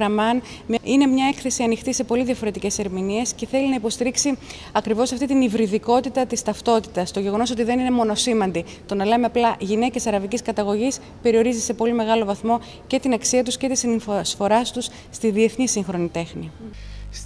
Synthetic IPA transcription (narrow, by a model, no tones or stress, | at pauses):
ɾɐmɐn | ine̞mɲɐekθe̞siɐnixt̪ise̞po̞liðiʝɐfo̞ɾe̞t̪ice̞se̞ɾminie̞sce̞θe̞linɐipo̞st̪iɾiksi | ɐkɾivo̞sɐft̪it̪inivɾiðiko̞t̪it̪ɐt̪ist̪ɐft̪o̞t̪i̥t̪ɐst̪o̞ʝe̞ɣo̞no̞so̞t̪iðe̞nine̞mo̞no̞simɐnd̪i | t̪o̞nɐle̞me̞ɐplɐʝine̞ce̞sɐɾɐviciskɐt̪ɐɣo̞ʝis | pe̞ɾio̞ɾizise̞po̞lime̞ɣɐlo̞vɐθmo̞ | ce̞t̪inɐksiɐt̪usce̞t̪isinsfo̞ɾɐst̪us | st̪iðie̞θnisiŋxɾo̞nit̪e̞xni